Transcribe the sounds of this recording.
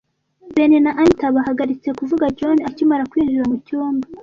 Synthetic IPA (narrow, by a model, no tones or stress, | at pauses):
benenaʔantaβaɦaɡaɾit͡se̞kuvuɡad͡ʒonacimaɾakwiːʒuɾamucuːmba